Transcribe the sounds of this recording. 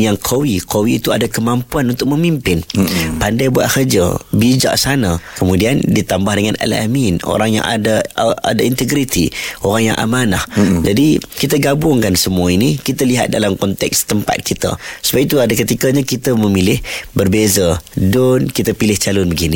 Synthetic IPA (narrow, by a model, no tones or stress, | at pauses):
jaŋkʰowikʰowiːt̪ua̰dakəmampuanunt̪ʊk̚məmimpɪnpandajbua̰ʔ̪̚kərd͡ʒə̰bid͡ʒa̰ʔsanakəmudiandit̪ambahdəŋanɛ̰la̰mino̰ɾaŋja̰ŋa̰daa̰daint̪əɡɾit̪ʰḭoɾaŋja̰ŋʔa̰manahd͡ʒadikit̪əɡabʊŋkansəmuainikit̪əliɦa̰t̪̚da̰lamkɔnt̪ɛ̰kst̪əmpa̰t̪̚kit̪a̰səbapit̪uadakət̪ikəɲakit̪əməmilɪhbərbezədʊnkit̪əpilɪht͡ʃalʊnbəɡini